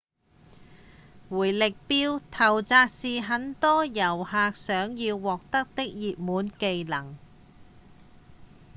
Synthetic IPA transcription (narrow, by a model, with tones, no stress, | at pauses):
wuː˨˩jlɪ˨k̚piː˧wt̪ʰɐ˨˩wt͡saː˧k̚siː˨ɦɐ˨˥nt̪ɔː˥jɐ˨˩whaː˨˧k̚sœː˨˥ŋjiː˧wːɔː˨k̚t̪ɐ˥k̚t̪ɪ˥k̚jiː˨p̚muː˨˥nke˧jlɐ˨˩ŋ